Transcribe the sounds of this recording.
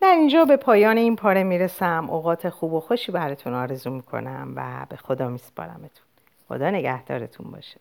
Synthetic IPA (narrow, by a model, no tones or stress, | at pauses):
d̪̥æɾind͡ʒɒːbe̞pʰɒːjɒːneiːnpʰɒːɾe̞miːɾesæmʔoɣɒːt̪ʰe̞xuːbo̞xo̞ʃiːbæɾɒːt̪ʰunɒːɾe̞zuːmiːkʰo̞̰næmvæ̰be̞xo̞d̪ɒːmiːspʰɒ̰ːɾæ̰met̪ʰu̥n | xo̰d̪ɒːne̞ɡæhd̪ɒ̰ːɾet̪ʰunbɒ̰ːʃe̥